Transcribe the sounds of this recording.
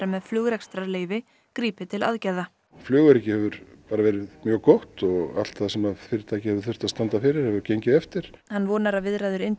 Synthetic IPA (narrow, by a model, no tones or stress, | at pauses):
ɾamɛðflʏɣɾɛkst̪ɾaleːjvɪ | kɾiːpɪt̪ʰɪla̰ðcajða | flœːɣʏɾɛcɪhɛvʏɾ̥paːɾavɛːɾɪðmjœːɣkoht̪ɔɣa̰l̥t̪θaðsɛmafɪːɾɪɾt̪ʰaːjcɪhɛvʏɾ̥θʏ̥t̪ast̪ant̪afɪːɾɪɾ̥hɛvʏɾcejɲcɪðɛft̪ɪɾ̥hanːvɔːnaɾaðvɪðɾajðʏɾɪnt̪